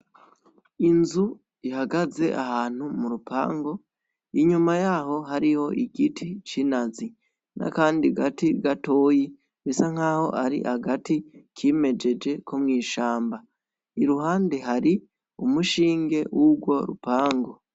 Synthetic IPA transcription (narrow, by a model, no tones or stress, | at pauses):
inzu | ihaɡaze̞ʔahaːn̥humuɾupʰa̰ːŋɡo̞ | iɲumajaːɦo̞ɦaɾiho̞ʔiɡitʰit͡ʃinazi | nʔa̰kaːndiɡatiɡatoːji | βisaŋ̥aːho̞̰ʔaɾḭhaɡatikʰeme̞d͡ʒe̞d͡ʒe̞kʰomŋiːʃaːmba | iɾuɦaːnde̞ɦaɾi | umuʃiːŋɡe̞wuɡwo̞ɾṵpaːŋɡo̞